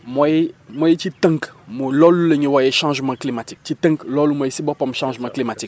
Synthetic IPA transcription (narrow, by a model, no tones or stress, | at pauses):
mɔjemɔjet͡ʃit̪ə̃ŋkmolɔluleɲiwajeʃãʒmãklimatikt͡ʃit̪ə̃ŋklɔlumɔjesibɔpɔmʃãʒmãklimatik